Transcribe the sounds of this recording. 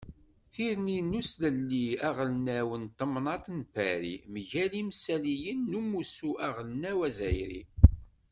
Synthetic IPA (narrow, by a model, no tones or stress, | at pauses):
θiɾninusləlːiæʁlnæwənt̪əmnɑt̪ˤnpːæɾḭmʝælimsælijənːumusuʔæʁəlnæwæzæjɾḭ